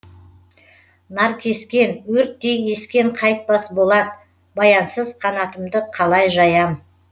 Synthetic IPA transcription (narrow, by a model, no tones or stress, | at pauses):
nɑɾkʲʰe̞skʲe̞nwɵɾt̪̚ːeje̞skʲe̞ɴqʰɑjt̪̚bɑsbo̞lˠɑd̪ | bɑjɑnsəzqʰɑnɑt̪əmd̪əqʰɑlˠɑjʒɑjɑm